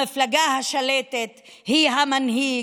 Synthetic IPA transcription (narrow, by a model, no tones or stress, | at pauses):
iflaɡahaʃalet̪et̪hiɦamanɦi